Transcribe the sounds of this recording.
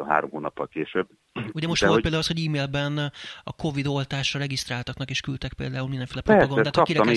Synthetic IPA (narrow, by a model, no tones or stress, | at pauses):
ɦa̰ːɾomɦoːnɒpːɒlkeːʃøbː | uɟɛmoʃt̪oltpeːld̪aulɒshoɟiːmeːlbɛnɒko̞vid̪o̞lt̪aːʃɒɾɛɡist̪raːlt̪ɒknɒkeːʃkylt̪ɛk̚pḛːld̪aːulmind̪ɛnɱfeːlɛpoɛoɡonːt̪hkiɾɛ